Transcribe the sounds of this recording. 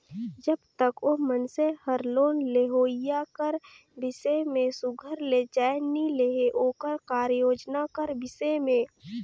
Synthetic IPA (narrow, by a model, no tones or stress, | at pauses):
d͡ʒəbt̪əkoːmənsehəɾloːnleɦoːɪjakəɾ | bɪsemẽsʊɡʱəɾled͡ʒaːenileɦeʔoːkəɾkaːɾjoːd͡ʒnakəɾbɪsemẽː